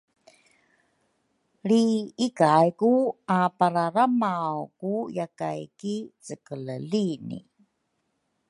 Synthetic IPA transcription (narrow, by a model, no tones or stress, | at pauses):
ɾiikajkuapaɾaɾamawkujaka̰jkit͡səkələlinḭ